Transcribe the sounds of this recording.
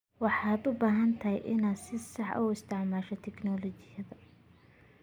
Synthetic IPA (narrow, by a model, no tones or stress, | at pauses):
wɑħɑːd̪ʊbaːɦɐnt̪ʰɐjʔɪnasɪsɑħʊ̰ɪst̪ʰɪʕmaːʃɔt̪ʰɛknɔːlɔt͡ʃɪjɐðɐ